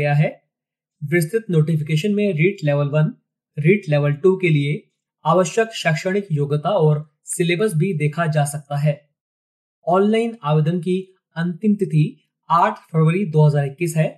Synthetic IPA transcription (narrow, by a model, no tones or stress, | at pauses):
jaɦɛː | ʋɪst̪ɪt̪noːʈɪfɪkeːʃənmẽɾiːʈlɛʋəlʋɐn | ɾiːʈlɛʋəlʈukelie | aːʋəʃjəkʃɐkʃəɽ̃ɪkjoːɡt̪aɔːɾ | sɪleːbəɾs̬bʱid̪eːkʰad͡ʒaːsɐk̚t̪aɦɛː | ɔːnlaːɪnaːʋeːd̪ənk̬i | ɐ̃nt̪ɪmt̪ɪt̪ʰi | aːʈʰpʰəɾʋəɾid̪oːɦɐzaːɾɪkːisɦɛː